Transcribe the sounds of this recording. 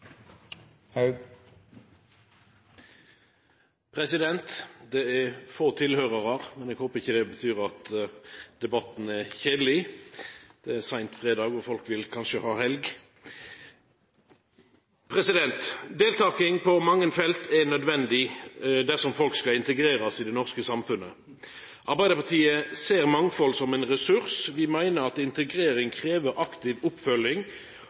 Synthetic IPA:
pʰɾɛsɪd̪ɛnt̪d̪ɛæʁfoːt̪ʰɪlhøːʁəʁɑʁmɛnɛɡhoːpəɪçːəd̪ɛbət̪ʰyːʁɑt̪ | d̪ɛbɑt̪n̩ɛʁçeːd̪lɪ | d̪̥ɛæsæɪnt̪fʁeːd̪ɑːɡɔfɔlkʋɪlkʰɑnʃəhɑːhɛlɡ | pʰʁɛsɪd̪ɛnt̪d̪eːlt̪ɑːkɪŋpʰɔmɑŋːənfɛlt̪ʰɛnœd̪ʋɛnd̪ɪd̪æʁsɔmfɔlkskɑɪnt̪əɡɾeːʁɑsɪd̪ɛnɔʁskəsɑmfʉnə | ʔɑʁbæɪd̪əpɑt̪ʰiːəseːʁmɑŋfɔlsɔmɛnʁɛsʉʁsʋɪmæɪnəʁɑt̪ɪnt̪əɡʁeːɾɪŋkʰʁeːʋəɾʔɑkt̪ɪʋʊpfœlɪŋ

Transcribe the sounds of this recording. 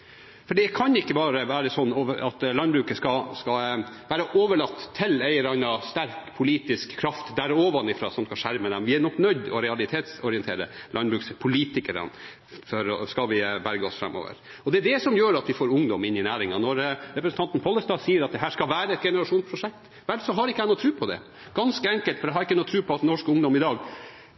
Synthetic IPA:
fɔɖikʰɑnɪkːəbɑːɾəʋæːɾəsɔnːoʋə̰ɑt̪lɑnbɾʉːkəskɑskɑʋæːɾəʔoːʋəɭɑt̪ʰːɪlæɪəɾɑnɑst̪æɾkpʰʊliːt̪ɪskʰːɾɑft̪d̪æɾoːʋɑnɪfɾɑ̰ːsɔmskɑʂæɾməd̪ɛmʋɪænɔknœʏd̪ɔ̰ɾɛɑlɪt̪ʰeːt̪sɔɾɪɛnt̪ʰḛːɾə̰lʔɑnbɾʉːkspʰʊliːt̪ɪkəɾɑ̰n | fɔɾɔskɑlʋɪbæɾɡəɔsfɾɑ̰mːo̰ːʋə̰ɾ | ɔd̪ɛːd̪ɛsɔmjøːɾɑt̪ʋɪfoːɾʊŋd̪ɔmɪnːɪnæːɾɪŋɑnɔɾɾɛpɾəsn̩t̪ʰɑnt̪n̩pʰɔlːəst̪ɑːsiːəɾɑt̪̚d̪ɛɦæːʂkɑlʋæːɾəɛt̪̚ɡɛnəɾɑʂuːnspʰɾʊʂɛk̚t̪ | ʋælsɔɦɑɾɪkːəæɪnuːt̪ʰɾʉːpʰɔd̪ɛ̰ | ɡ̥ɑnskəɛŋkəlt̪fɔɾɛhɑɾɪkːənuːt̪ʰɾʉːpʰɔɑt̪nɔʂkʊŋd̪ɔmɪd̪ɑːɡ

